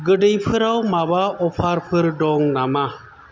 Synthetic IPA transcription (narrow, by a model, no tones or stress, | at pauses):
ɡəɖəjpʰɯɾawmabaɔpʰaɾpʰɯɾɖɔŋnama